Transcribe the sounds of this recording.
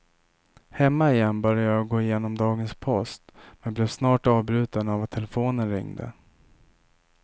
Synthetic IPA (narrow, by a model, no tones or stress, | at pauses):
hɛmːaɪjɛnbœɾjajɑɡoːɪjeːnɔmd̪ɑːɡənspʰɔst̪mɛnblɛvsnɑːʈɑːvbɾʉ̟ːt̪anavat̪ʰːɛlɛfoːnənɾɪ̰ŋd̪ə̰